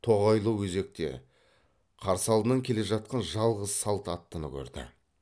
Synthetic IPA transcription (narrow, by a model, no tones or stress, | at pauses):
t̪ʰo̞ʁɑjlˠəwɵze̞k̚t̪e̞̰ | qʰɑɾsəɑlˠd̪ənɑŋkʲʰe̞le̞ʒɑt̪̚qɑnʒɑlˠʁəzsɑlˠt̪ɑt̪ːənə̰kʲʰɵ̰ɾd̪ɪ̰